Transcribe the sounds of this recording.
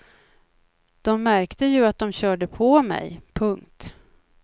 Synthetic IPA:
d̪̥ɔmːæɾkt̪əjɵat̪̚d̪ɔmɕœːɖəpʰɔmɛ̰jpʰɵŋkt̪

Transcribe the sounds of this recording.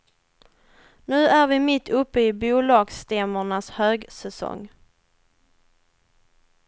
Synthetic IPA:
nʉ̟ːæɾvɪmɪt̪ʰːɵpːəɪbuːlɑːɡst̪ɛməɳashøːɡsɛsɔ̰ŋ

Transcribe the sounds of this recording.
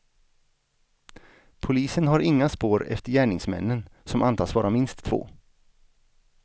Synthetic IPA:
pʰʊliːsənɦaɾɪŋːaspoːɾɛ̰ft̪əɾjæːɳɪŋsmɛ̰nːənsɔmʔant̪ʰɑːsvɑːɾamɪnst̪ʰːv̥o̰ː

